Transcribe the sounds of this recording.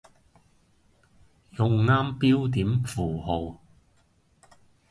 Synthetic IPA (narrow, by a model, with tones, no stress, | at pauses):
jʊ˨˧ŋːaː˥mpiː˥wt̪iː˨˥mfuː˨˩ɦo˨˧w